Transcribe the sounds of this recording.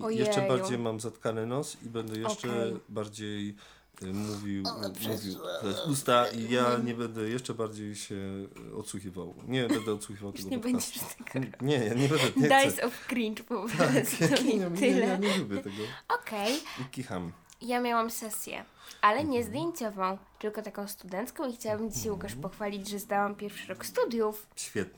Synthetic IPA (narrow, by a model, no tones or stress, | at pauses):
ɔjjɛʂɛbaɾd͡ʑejmamzat̪kanɘnɔsibɛnd̪ɛjɛʂt͡ʂɛbaɾd͡ʑej | muvʲiwmuvʲiwt̪ɔjɛst̪ust̪aijaɲɛbɛnd̪ɛjɛʂt͡ʂɛbaɾd͡ʑejɕɛɔ̰t̪suxʲiva̰wɲɛbɛnd̪ɛɔt̪swuxivawt̪ɛɡɲɛbɛɲd͡ʑɛʂt̪ʰɛɡɲɛjaɲɛbɛɛɛd̪ajsɔfkɾint͡ʂpɔvaɛt̪ɪlɛɲɛlubʲjɛt̪ɛɡɔɔkʰɛjikʲixamjamʲjawamsɛsʲjɛ̰ʔalɛɲɛzd̪ʲjeɲt͡ɕɔvɔ̃w̃t̪ɘlkɔt̪akɔ̃w̃st̪ud̪ɛnt̪skɔ̃w̃ixt͡ɕawabɘmd͡ʑiɕajwukaʂpɔxfalʲid͡ʑʐɛzd̪awampʲjɛɾfʂɘɾɔkst̪ud̪ʲjufɕfʲjɛt̪̚nɛ